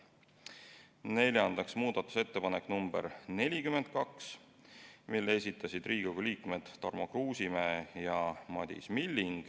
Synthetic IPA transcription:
ne̞lʲjɑnd̪̥ɑksmuːd̪ɑt̪ːˑu̥se̞t̪ːe̞pɑnekːnumb̥ḛrne̞lʲikyme̞nd̪̥̚kɑks | milːeesʲit̪ːˑɑsid̪̥riːɡoɡ̥uliːkmed̪̥ːɑrmokruːsimæːjɑmɑd̪̥ḭsmilʲːiŋɡ̥

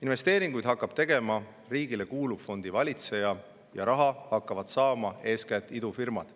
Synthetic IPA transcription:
inve̞st̪e̞ːɾiŋɡ̥ujd̪̥hɑkːˑɑb̥t̪e̞ɡ̥e̞mɑ | riːɡ̥ile̞kuːlub̥fo̞nd̪̥ivɑlʲit̪se̞jɑ | jɑ̰ɾɑɦɑhɑkːɑvɑd̪̥sɑːmɑe̞ːskæt̪ːˑid̪ufirmɑ̰d̪̥

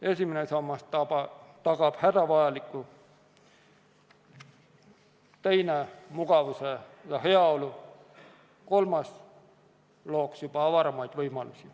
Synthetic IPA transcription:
e̞sʲimenesɑmːɑst̪ɑpɑt̪ɑɡ̥ɑb̥hæd̪ɑʋɑjɑlikːˑu | t̪ejnemuɡ̥ɑvusejɑɦe̞ɑo̞lu | ko̞lmɑs | lo̞ːksjub̥ɑɑvɑɾɑmɑjd̪̥vɤjmɑlusʲi

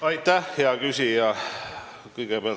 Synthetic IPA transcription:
ɑjt̪ːæhjjɑkysʲijɑ | kɯjɡ̥eb̥eɑl

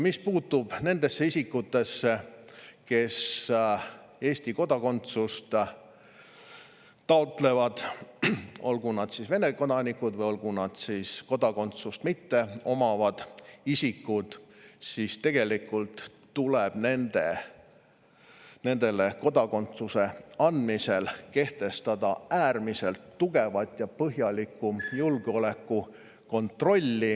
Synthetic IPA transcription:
mispuːt̪ːub̥ne̞nd̪̥e̞sːeisikːut̪ːe̞sːe̞ke̞s | e̞ːsʲt̪iko̞d̪̥ɑko̞nt̪sust̪ | t̪ɑot̪ˑle̞vɑd̪̥ | o̞lɡ̥unɑd̪̥sisve̞neko̞d̪ɑnikːˑud̪vɤjolɡ̥unɑd̪̥sisko̞d̪̥ɑko̞nt̪sust̪mit̪ːe̞o̞mɑvɑd̪̥isikːˑud̪̥sist̪e̞ɡ̥e̞likːˑult̪ː | uleb̥nend̪̥e | ne̞nd̪̥e̞le̞ko̞d̪ɑkont̪suse̞ɑnd̪̥mise̞lke̞ht̪e̞st̪ɑd̪̥ɑæːrmise̞lt̪ːuɡe̞vɑt̪ːˑjɑpɤɦjɑlikːˑujulɡ̥eo̞le̞kːu | ko̞nt̪ro̞lʲːi

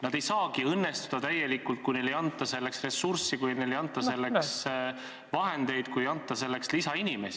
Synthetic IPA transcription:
nɑd̪e̞jsɑːkiɤnːe̞st̪u̥d̪̥ɑt̪æjːe̞likult̪̚kujnelejɑnt̪ːˑɑse̞lːe̞ksre̞sːursːikujnelejɑnt̪ˑːɑse̞lːeks | vɑɦe̞nd̪̥e̞jd̪̥kujɑnt̪ːˑɑse̞lːe̞kslisɑinime̞si

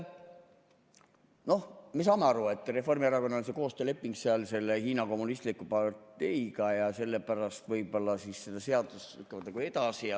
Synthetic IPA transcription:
no̞hmes̬ɑːmeɑɾue̞t̪ːˑre̞fo̞rmiɑɾɑko̞nːonseko̞ːst̪øːle̞pːiŋɡ̥seɑlse̞lːehiːnɑko̞mːunist̪likːˑupɑrt̪e̞jɡɑjɑse̞lːepæɾɑst̪vɤjbo̞lːɑsisse̞d̪̥ɑse̞ɑd̪̥ust̪y̰t̪ːˑɑvɑd̪nɑɡ̥ue̞d̪ɑsijɑ

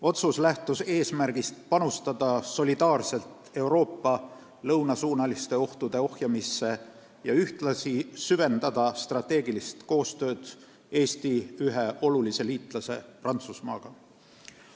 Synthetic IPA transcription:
o̞t̪suslæht̪use̞ːsmæɾɡ̥ist̪̚pɑnust̪ɑd̪̥ɑso̞lid̪̥ɑːrse̞lt̪ | e̞wɾo̞ːpːɑ | lɤwnɑsuːnɑlist̪e̞o̞ht̪ud̪̥e̞o̞hjɑmisːe̞ | jɑyht̪lɑsisyve̞nd̪ɑd̪̥ɑst̪rɑt̪ːˑe̞ːɡilist̪ko̞ːst̪ø̞ːd̪̥ | e̞ːst̪iyɦeʔo̞lulise̞liːt̪ˑlɑse̞prɑnt̪susmɑ̰ːɡ̥ɑ

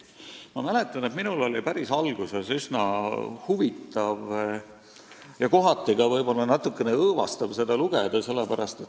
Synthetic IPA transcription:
mɑmæle̞t̪ːˑɑnet̪minulo̞lipæɾisɑlɡ̥use̞sysnɑhuvit̪ːˑɑv | jɑko̞ɦɑt̪ˑːiɡ̥ɑvɤjb̥o̞lːɑnɑt̪ːˑukːˑe̞neɤːvɑ̰st̪ɑb̥se̞d̪̥ɑluɡ̥ed̪̥ɑse̞lːepæɾɑst̪e̞t̪ː

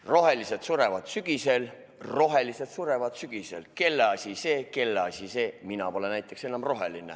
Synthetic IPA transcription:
ro̞ɦe̞liset̪suɾe̞vɑd̪syɡ̥ise̞l | ro̞ɦe̞lise̞t̪suɾe̞vɑd̪syɡ̥ise̞lke̞lːeɑsʲise̞ːke̞lːɑsʲise̞ːminɑpo̞lenæjt̪ˑːe̞kse̞nːˑɑmro̞ɦe̞line

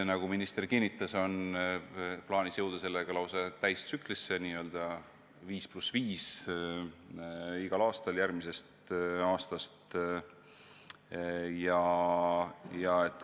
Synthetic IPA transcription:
nɑɡ̥uminist̪e̞rkinːit̪ːˑɑso̞n | plɑːnisjɤ̞wd̪̥ɑse̞lːeɡ̥ɑlɑwsɑt̪æjst̪syklisːe̞niːø̞ld̪̥ɑ | viːsplusviːs | iɡ̥ɑlɑːst̪ɑljæɾmise̞st̪ɑːst̪ɑst̪ | jɑ | jɑe̞t̪ːˑ

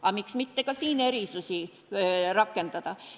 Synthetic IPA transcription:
ɑmiksmit̪ːekɑsiːneriˑsusʲi | rɑkːent̪ɑt̪ɑ

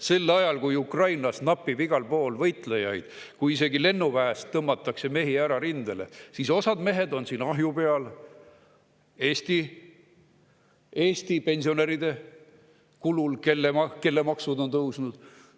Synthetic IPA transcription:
se̞lːɑjɑlkujukrɑjnɑsnɑpːibiɡ̥ɑlpo̞ːlvɤjt̪ˑlejɑjd̪̥ | kujise̞ɡile̞nːuvæːst̪ːɤmːɑt̪ːˑɑkse̞me̞ɦiæɾɑɾind̪̥elesiso̞sɑd̪me̞ɦe̞d̪o̞nsiːnɑɦjupe̞ɑl | e̞ːst̪i | e̞ːst̪ipe̞nʲsio̞neɾid̪e̞ | kululke̞lːemɑke̞lːemɑksud̪o̞nt̪ɤwsnud̪̥

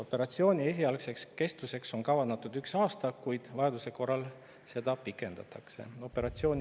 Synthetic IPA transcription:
o̞pːe̞ɾɑt̪sio̞ːnʲie̞s̬ʲiɑlkse̞kske̞st̪use̞kso̞ŋkɑvɑnd̪ɑt̪ːˑud̪yksɑːst̪ɑkujd̪̥vɑjɑd̪use̞ko̞rːɑl | se̞d̪̥ɑpikːˑe̞nd̪̥ɑ̰t̪ˑɑkse̞̰o̞pːˑe̞ɾɑt̪sio̞ːnʲ

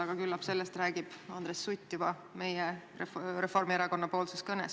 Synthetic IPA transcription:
ɑɡ̥ɑkylːɑpse̞lːest̪ræːɡ̥ib̥ɑnd̪ɾesːut̪ʲːivɑ | me̞je | ɾefo̞rmieɾɑko̞nːɑpo̞ːlseskɤnḛs

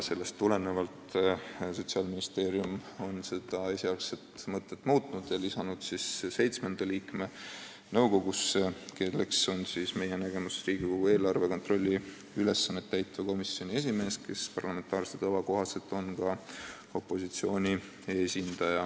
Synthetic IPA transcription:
se̞lːe̞st̪t̪ːule̞ne̞vɑlt̪so̞t̪siɑːlminist̪e̞ːɾiumo̞nse̞d̪̥ɑe̞siɑlset̪mɤt̪ːˑe̞t̪ːˑmuːt̪ˑnud̪̥jɑlisɑnud̪̥sisse̞jt̪smend̪̥ɑliːkme̞ | nɤwɡo̞ɡ̥uskeːlekso̞nsisme̞je̞næɡ̥e̞musriːɡ̥iko̞ɡ̥ue̞ːlɑrve̞ko̞nt̪ro̞lʲːi | yle̞sːɑnːet̪ːæjt̪ːˑvɑko̞misːio̞nʲie̞s̬ʲime̞ːskʰe̞spɑrlɑme̞nt̪ɑːrset̪ɑvɑko̞ɦɑse̞t̪ːˑo̞nkɑ | o̞pːˑo̞sit̪sio̞ːnʲi | e̞sʲind̪̥ɑjɑ

